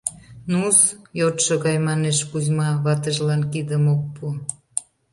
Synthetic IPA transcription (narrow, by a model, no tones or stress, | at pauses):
nusjot̪ʃəɣɑjmɑneʃpuzmɑβɑt̪əʒlɑnkid̪əmok̚pu